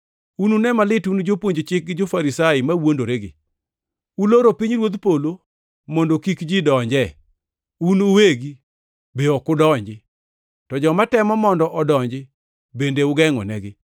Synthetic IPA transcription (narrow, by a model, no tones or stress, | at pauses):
ununɛmalɪtund͡ʒopwoɲd͡ʒt͡ʃɪk̚ɡɪd͡ʒofaɾisaɪmawondoɾeɡɪ̰ | uloɾopiɲɾwod̪polo | mɔndokikd͡ʒidɔɲd͡ʒɛ | unuweɡi | beɔkʊdɔɲd͡ʒɪ | tɔd͡ʒɔmatɛmɔmɔndɔʔɔdɔɲd͡ʒɪ | bendeʊɡɛŋɔ̰nɛɡɪ